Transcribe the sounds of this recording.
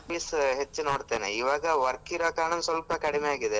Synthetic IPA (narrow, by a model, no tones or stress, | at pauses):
iːsɦet͡ʃːnoːɽt̪eːnḛiʋaːɡɐʋɐɾkiɾɐːkaːɳɐnsʋɐlpɐkɐɽimejaːɡid̪e